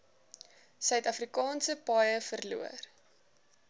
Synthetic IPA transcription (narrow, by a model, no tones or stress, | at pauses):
sœɥtɐfrikɑːnsəpɑjəfərlṵə̰r